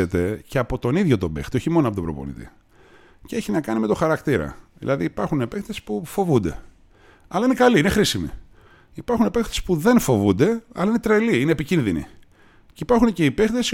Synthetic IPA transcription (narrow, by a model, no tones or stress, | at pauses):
et̪e̞ce̞ɐpo̞t̪o̞niðʝo̞t̪o̞bext̪io̞çimo̞noɐpot̪o̞bɾo̞̰po̞̰nḭt̪ḭ | ceeçinɐkɐnime̞t̪o̞xɐɾɐkt̪iɾɐ̰ðḭlɐðiːpɐɾxunepe̞xt̪espufo̞vund̪e̞̰ | ɐlɐinekɐliinexɾisimḭ | ipɐɾxunepexθesi̥puðe̞nfo̞vund̪e̞ɐ̰lɐinet̪ɾeliineːpicinðinḭ | ceipɐɾxunece̞ipekt̪es